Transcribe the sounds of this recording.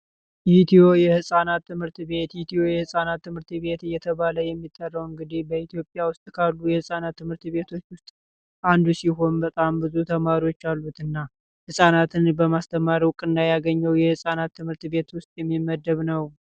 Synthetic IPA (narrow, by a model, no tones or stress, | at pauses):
ʔit̪ʰio̞jɛhɨsʼanat̪ʰːɨmhɨɾt̪βe̞t̪jit̪ʰio̞jɛhɨsʼanat̪ːɨmhɨɾt̪βe̞t̪ɨjːɛt̪ʰəβaləjɛmːit̪ʼːərːəwɨŋɡɨd̪ihbəit̪ijo̞pʼjawʊst̪ʼkʰalːujɛhɨsʼanat̪ːɨmhɨɾt̪βe̞t̪ʰo̞t͡ʃːwʊst̪ʼ | ʔand̪usiɦo̞nbət̪ʼambɨzut̪ʰəmaɾiwo̞t͡ʃːalːut̪ɨnːa | hɨsʼanat̪ʰɨnbəmast̪ʰəmaɾiwʊkʼːɨnd̪ajaɡəɲːəwjɛhɨsʼanat̪ʰːɨmhɨɾt̪be̞t̪wʊst̪ʼjɛmːimːəd̪ːəβnəw